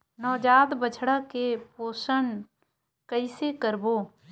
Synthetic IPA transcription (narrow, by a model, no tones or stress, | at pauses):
nɔːd͡ʒaːd̪bət͡ʃʰɽakepoːsən | kəɪsekəɾboː